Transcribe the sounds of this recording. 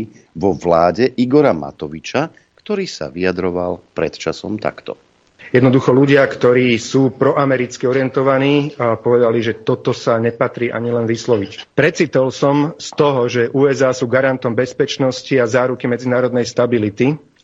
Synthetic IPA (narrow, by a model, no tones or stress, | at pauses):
ʋɔʋlaːɟɛʔiɡɔɾama̰t̪ɔʋit͡ʃa | kt̪ɔɾiːsa̰ʋiad̪ɾɔʋa̰lpɾɛ̰t̪t͡ʃasɔ̰mt̪a̰kt̪ɔ̰ | jɛd̪nɔd̪uxɔluɟɪakt̪ɔɾiːsuːpɾɔʔamɛɾit͡skiɔɾɪjɛnt̪ɔʋaniːpɔʋɛd̪aliʒɛt̪ɔt̪ɔsaɲɛpat̪ɾiːʔa̰ɲilɛnʋislɔʋicpɾɛt͡sit̪ɔlsɔmst̪ɔɦɔʒɛʔuːɛzaːsuːɡaɾant̪ɔmbɛspɛt͡ʃnɔsciazaːɾukimɛd͡zinaːɾɔd̪nɛjst̪abilit̪i